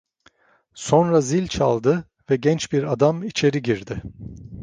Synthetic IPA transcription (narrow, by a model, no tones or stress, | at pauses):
so̞nɾazilʲt͡ʃʰa̰lˠd̪ɯ | vɛɟɛnt͡ʃbiɾad̪amit͡ʃʰe̞ɾiɟiɾd̪ɪ